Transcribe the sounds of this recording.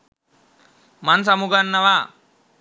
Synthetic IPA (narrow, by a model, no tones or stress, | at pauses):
mɐns̬ɐmuɡɐnːɐʋa